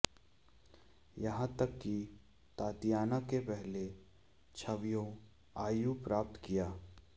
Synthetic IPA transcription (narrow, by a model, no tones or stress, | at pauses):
jɐɦãt̪ɐkːi | t̪aːt̪ijaːnakepɛɦle | t͡ʃʰɐʋjõ | aːjupɾaːp̚t̪kijaː